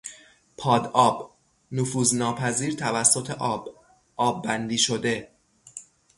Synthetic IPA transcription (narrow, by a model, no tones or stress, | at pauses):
pʰɒːd̪ɒːb | nofuːznɒːpʰæziːɾt̪ʰævæsːo̞t̪ʰeʔɒb | ʔɒːbːænd̪iːʃo̞d̪e̞